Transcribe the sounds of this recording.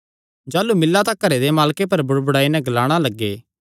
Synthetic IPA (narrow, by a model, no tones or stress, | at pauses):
d͡ʒaːlumɪlːat̪akːɐɾed̪emaːlkep̬ɐɾbʊɽbʊɽaːinɛ̃ɡɐlaːɽ̃alɐɡːḛː